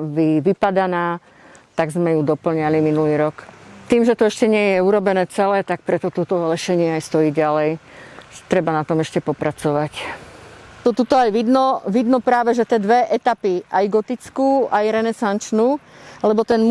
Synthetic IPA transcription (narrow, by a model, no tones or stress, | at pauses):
ʋiʋipad̪anaː | t̪aɡzmɛjud̪ɔpl̩ɲaliminuliːɾɔkt̪iːmʒɛt̪ɔɛʃcɛɲɪɛjɛuɾɔbɛnɛːt͡sɛlɛːt̪ak̚pɾɛt̪ɔt̪ɔt̪ɔlɛʃɛɲɪɛajst̪ɔjiːɟalɛj | t̪ɾɛbanat̪ɔmɛʃcɛpɔpɾat͡sɔʋac | t̪ɔt̪ut̪ɔajʋid̪nɔʋid̪nɔpɾaːʋɛʒɛt̪ɛːd̪ʋɛʔɛt̪apiajɡɔt̪it͡skuːʔajɾɛnɛsant͡ʃnuːlɛbɔt̪ɛnm